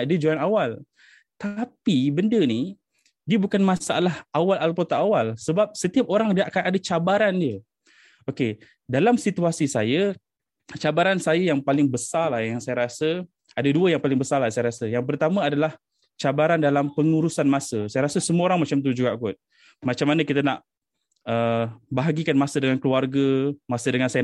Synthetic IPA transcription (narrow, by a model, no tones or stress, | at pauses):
did͡ʒuanawal | t̪apibəndəni | diəbukanmãsaalahʔawalalpot̪aʔawalsəbap̚sət̪iap̚oɾaŋdiaʔakanadat͡ʃabaɾandiə | oke | dalamsit̪uasisa̰jə | t͡ʃabaɾansajajaŋpalɪŋbəsalahjaŋsajaɾasə | adaduəjaŋpalɪŋbəsalasajaɾasəjaŋp̬ərt̪amãadalah | t͡ʃabaɾandalampəŋuɾusanmãsəsajaɾasəsəmũəoɾaŋmat͡ʃamt̪̬ud͡ʒuɡaʔkʊt̪̚ | mat͡ʃamːanəkit̪anaʔ | əbaɦaɡikanmasədəŋankəluarɡəmasədəŋansaja